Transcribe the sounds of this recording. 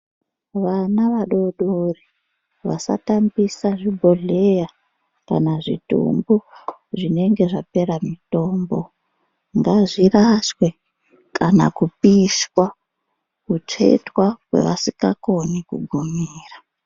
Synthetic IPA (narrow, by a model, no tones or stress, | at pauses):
ʋanaʋaɗoɗori | ʋa̰sa̰tambisaʐibʱoɮe̞ja | ka̰naʐḭtṵmbuʐine̞ŋɡe̞ʐape̞ɾamito̞ːmbo | ŋɡaʐiɾaswe̞ | kana̰kupiswa | kut͡ʂe̞̰twawe̞̰ʋa̰sikako̞nikṵɡʱumiːra